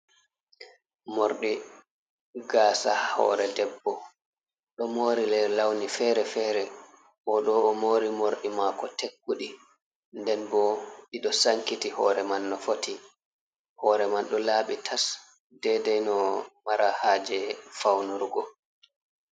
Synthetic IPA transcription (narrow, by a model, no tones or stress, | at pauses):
moɾɗi | ɡaːsahɔ̰ːɾɛdɛbːɔ | ɗɔmoːɾilɛlawnifɛːɾɛfɛɾɛ | ʔɔɗɔːmoːɾimoɾɗimakɔtekːuɗi | ndɛnbɔɗiɗɔsaŋkitihɔ̰ːɾɛmanːɔfotʰi | hɔːɾɛmanɗɔlaːɓitʰas | dɛdɛjnɔmaɾahaːd͡ʒɛfawnuɾɡɔ